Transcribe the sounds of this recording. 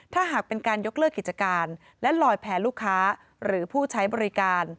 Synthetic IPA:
t̪ʰaː˥˩ɦaː˨˩k̚pe˧nkaː˧njo˦˥k̚lɤː˥˩kːi˨˩t̪̚t͡ɕa˧kaː˧n | lɛ˦˥lɔː˧jpʰɛː˩˦luː˥˩kʰːaː˦˥ | ɾɯː˩˦pʰuː˥˩t͡ɕʰa˦˥jbɔː˧ɾi˦˥kaː˧n

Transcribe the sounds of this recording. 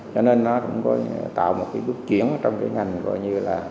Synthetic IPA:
t͡ɕɔ˧ne˧nːɔ˨˦kʊ̰˧˥ŋ͡mkɔ˨˦t̪a̰ː˧˨wmo˨˩t̚kaː˨˦ɓɨ˦˥ək̚t͡ɕwi˧˩ənʔə˨˦t͡ɕɔ˧wŋ͡mkaː˨˦jŋa˨˩jŋ̟kɔ̰˧˨jɲɨ˧laː˨˩

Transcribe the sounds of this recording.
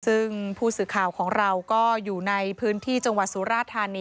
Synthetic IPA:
sɯ˥˩ŋpʰuː˥˩sɯː˨˩kʰaː˨˩wkʰɔː˩˦ŋɾa˧wkɔː˥˩juː˨˩na˧jpʰɯː˦˥nt̪ʰiː˥˩t͡ɕa˧ŋwa˨˩t̪̚su˨˩˦ɾaː˥˩t̪ʰːaː˧niː˧

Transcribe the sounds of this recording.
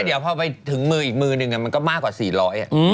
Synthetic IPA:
di˩˦wpʰɔ˧pa˧jt̪ʰɯ˩˦ŋmɯː˧ʔiː˨˩k̚mɯː˧nɯ˨˩ŋːʔa˧˩ma˧nkɔː˥˩maː˥˩kwaː˨˩siː˨˩ɾɔː˦˥jʔa̰˨˩ʔː

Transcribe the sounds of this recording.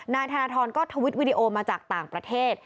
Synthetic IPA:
naː˧jt̪ʰaː˧naː˧t̪ʰɔː˧nkɔː˥˩t̪ʰu˧wi˦˥t̪̚wiː˧diː˧ʔoː˧maː˧t͡ɕaː˨˩k̚t̪aː˨˩ŋpɾa˧t̪ʰeː˥˩t̪̚

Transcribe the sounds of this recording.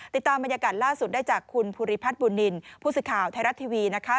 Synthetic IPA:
t̪i˨˩t̪ːaː˧mba˧nja˧kaː˨˩t̪̚laː˥˩su˨˩t̪̚da˥˩jt͡ɕaː˨˩kʰːu˧npʰuː˧ɾi˦˩pʰa˦˥t̪̚bu˧nːi˧npʰuː˥˩sɯː˨˩kʰaː˨˩wt̪ʰa˧˦jɾa˦˥t̪ʰːiː˧wiː˧na˦˥kʰa˦˥

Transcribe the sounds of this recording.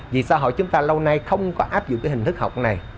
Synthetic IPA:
vi˨˩saː˧ɦɔ̰˧˨jt͡ɕʊ˨˦ŋ͡mt̪aː˧lə˧wna˧jxə˧wŋ͡mkɔ˨˦ʔaː˦˥p̚zʊ̰˧˨kaː˨˦hï˨˩ŋ̟t̪ʰɨ˦˥k̚ha˨˩wk͡p̚na˨˩j

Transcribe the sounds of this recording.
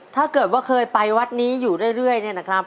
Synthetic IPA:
t̪ʰaː˥˩kɤː˨˩t̪̚waː˥˩kʰɤː˧jpa˧jwa˦˥t̪̚niː˦˥juː˨˩da˥˩əjɾɯ˥˩əjni˥˩ɐna˧˥kʰɾa˦˥p̚

